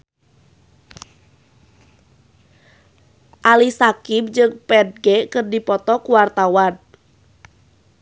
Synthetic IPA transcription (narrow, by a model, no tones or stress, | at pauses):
ʔalisakib̚d͡ʒɨŋpɛd̚ɡɛkɨrdipɔt̪ɔkuwart̪awan